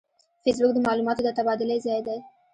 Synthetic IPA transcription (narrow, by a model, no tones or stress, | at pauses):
fes̬bʊk̚d̪əmɑlumɑt̪od̪ət̪abɑd̪ɪlezɑjd̪aj